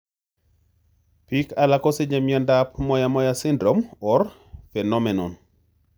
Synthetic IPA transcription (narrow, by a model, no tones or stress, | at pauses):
pikalakɔsed͡ʒɛmjɔndapmɔjamɔjasɪndɾomɔɾ | fɛnɔmɛnɔn